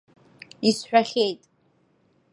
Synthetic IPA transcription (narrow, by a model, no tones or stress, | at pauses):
isħᶣaχʲejtʼ